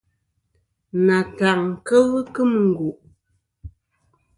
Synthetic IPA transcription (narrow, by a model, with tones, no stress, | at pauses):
na˨ta˨ŋ̩˨kə˦ɣkɨ˦m˨ŋ̩˨ɡu˨ʔ